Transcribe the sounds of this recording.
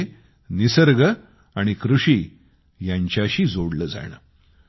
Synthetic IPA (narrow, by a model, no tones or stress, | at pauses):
nisəɾɡə | aɽ̃ikɾuʂiː | jaɲt͡ɕjaɕiːd͡zoɽləːd͡za̰ɽ̃ə̰ː